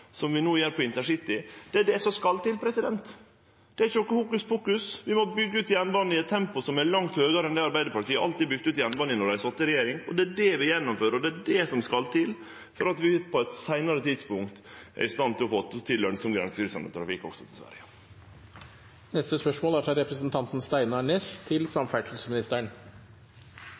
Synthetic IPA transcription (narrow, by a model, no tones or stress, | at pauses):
sɔmʋɪnuːjæːɾpʰɔɪnt̪əʂɪt̪ːɪd̪̥ɛæɖɛsɔmskɑlt̪ɪlpʰɾɛsɪd̪ɛnt̪ | d̪̥ɛæɾɪçəɔkːəfuːkʉst̪fuːkʉsʋɪmɔbʏɡːəʉːt̪jɛnbɑnːɪɛt̪ʰːɛmpʊsɔmæɭɑŋt̪høːɡɑɾɛnɛɑɾbæɪd̪əɾpɑʈiːəʔɑ̰lt̪ibʏɡ̚t̪ʉːt̪jɛnbɑnːɪnɔɖæɪsɔt̪ːəɾɛjeːɾɪŋɔd̪ɛæɖɛʋɪjɛnːʊmføːɾɔd̪ɛæɖɛsɔmskɑlːt̪ʰɪlː | fɔɾɑt̪ʋɪpʰɔɛt̪sæɪnɑɾət̪ʰid̪spʊŋkt̪ʔɛ̰ɾɪst̪ɑnt̪ɪlɔfoːt̪ʰɪlːœnskɔmkʉɾɛ̰nsəkɾɪsɑ̰nə̰t̪ʰɾɑfɪkːɔ̰ɡsɔ̥t̪ʰɪlsʋæ̰ɾjə | nɛst̪əspœʂmoːlæɾfɾɑɾɛpɾəsənt̪ʰɑnt̪n̩st̪æɪnɑɳeːst̪ʰɪlsɑmfæʈl̩səmɪnɪst̪əɳ